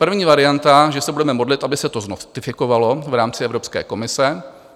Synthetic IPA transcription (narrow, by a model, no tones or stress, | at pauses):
pr̩vɲiːvaɾɪjant̪aʒɛsɛbudɛmɛmo̞dlɪt̪ʔabɪsɛt̪o̞znot̪ɪfɪko̞valo̞vɾaːmt͡sɪɛvɾo̞pskɛ̰ːko̞mɪsɛ